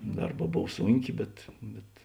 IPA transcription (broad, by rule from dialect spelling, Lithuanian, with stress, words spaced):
ˈdɐrˌbɑː ˈboːw ˈsuːŋʲˌkʲeː bʲɛt ˈbʲɛt